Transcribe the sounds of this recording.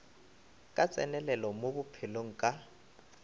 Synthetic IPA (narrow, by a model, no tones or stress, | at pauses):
kʼat͡sʼɛnɛlɛlɔmobʊpʰɪloŋ̩kʼa